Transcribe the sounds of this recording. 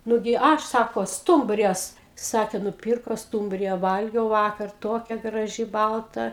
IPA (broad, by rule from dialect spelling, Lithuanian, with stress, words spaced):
ˈnʊɡʲɪ ˈɐʃ ˈsɑːkoː ˈstʊmʲbʲrʲɪjɛs ˈsɑːkʲeː nʊˈpʲiːrkoː ˈstuːmʲbʲrʲɪjɛ ˈʋɐlʲɡʲɛʊ ˈʋɑːkɐr ˈtoːkʲɛ ɡrɐˈʒʲɪ ˈbɐlˠtɐ